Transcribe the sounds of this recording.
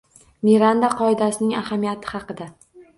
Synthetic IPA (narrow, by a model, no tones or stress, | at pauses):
miɾand̪aqʰɒɪd̪asɪnɪŋahamijat̪ʰɪ̥hɑqɨd̪a